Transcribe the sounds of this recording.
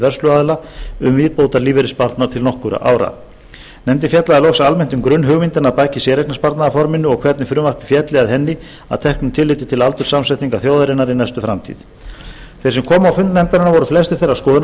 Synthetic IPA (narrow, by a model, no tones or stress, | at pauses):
vɛrslʏaðɪlaʏmviːpowt̪aɾliːvɪɾɪspaɾt̪nat̪ʰɪlnɔhkʏɾa̰ʔa̰ːwɾa̰ | nɛmt̪̬ɪnfjɛt̪laðɛɾlɔxsaalmɛn̥t̪ʏmkɾʏnːɦʏɣmint̪ɪnaðpaːjcɪsɛɾɛknaspaɾt̪naðafɔɾmɪnːʏɔɣkʰvɛɾt̪nɪfɾʏmarpɪ̥fjɛt̪lɪɣaðɦɛnːɪ | a̰ðt̪ʰɛhknʏmt̪ʰɪlːɪːt̪ɪt̪ʰɪlalt̪ʏɾ̥samsɛt̪iŋkaθjoːwðaɾɪnaɾinajst̪ʏfɾamt̪ʰḭð | θɛɾsɛmkʰɔːmawfʏnt̪nɛmt̪aɾɪnavɔɾʏflɛst̪ɪ̥ɾ̥θejɾaɾskɔːðɪn